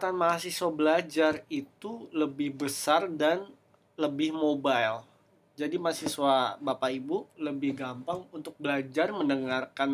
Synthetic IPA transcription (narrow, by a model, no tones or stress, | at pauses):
t̪anmaasiswabəlad͡ʒarit̪uləbɪhbəsardan | ləbɪhmobajl | d͡ʒadimasiswabapaibuləbɪhɡampaŋunt̪ʊk̚bəlad͡ʒarmənəŋarkan